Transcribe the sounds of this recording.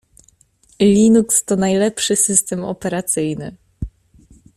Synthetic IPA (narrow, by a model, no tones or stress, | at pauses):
lʲinukst̪ɔnajlɛpʂɘsɘst̪ɛmɔ̰pɛɾat̪sɘjnɘ